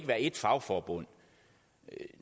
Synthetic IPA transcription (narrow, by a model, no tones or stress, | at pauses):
ɡ̥əʋæːɐe̝d̥fɑ̈ʊfɒːb̥ɔ̽n̰